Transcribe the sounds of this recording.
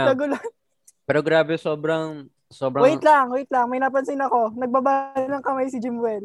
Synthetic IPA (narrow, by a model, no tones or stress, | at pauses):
ɐɡʊlan | pɛɾoɡɾaːbɛsoːbɾɐŋ | soːbɾɐoɪlaŋoɪt̪laŋmɐjnaːp̬ɐnsɪnɐko̞nɐɡ̚babaːlɐŋkɐmajsɪd͡ʒɪmwɛl